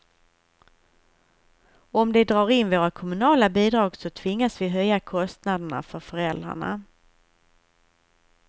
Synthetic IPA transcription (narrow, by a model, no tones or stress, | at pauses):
ɔmd̪ɛd̪ɾɑːɾɪnvoːɾakʰɔmɵnɑːlabiːd̪ɾɑːɡsɔt̪ʰvɪŋːasvɪɦœjːakʰɔst̪nad̪əɳa̰fœɾfœɾɛld̪ɾa̰ɳa̰